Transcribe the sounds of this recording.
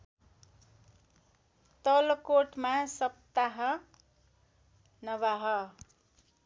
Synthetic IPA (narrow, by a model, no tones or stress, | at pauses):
t̪ʌlkoʈmasʌp̚t̪aɦʌ | nʌβaɦʌ